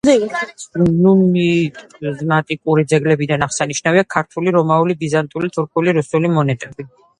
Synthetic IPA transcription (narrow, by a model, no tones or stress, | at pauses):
numizmat̪ʼikʼuɾid̪zɛɡlɛbid̪anaʁsaniʃnaviakʰaɾt̪ʰuliɾɔmaulibizant̪ʼulit̪ʰuɾkʰuliɾusulimɔnɛt̪ʼɛbi